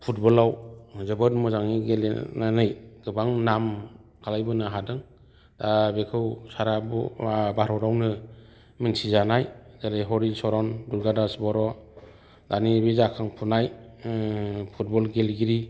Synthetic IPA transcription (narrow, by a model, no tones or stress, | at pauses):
pʰut̚bɔlawzɯbɯtmuzaŋiɡel̰nanɯjɡ̥ɯbaŋnam | kʰalajbɯnɯɦadɯŋ | dabekʰɯwsaɾabṵbaɾɔɾawnɯ | minsizanajzaleɦɔɾisɔɾɔnduɾɡadasbɔɾɔ | danibizakʰaŋpʰunaj | pʰut̚bɔlɡelɡiɾi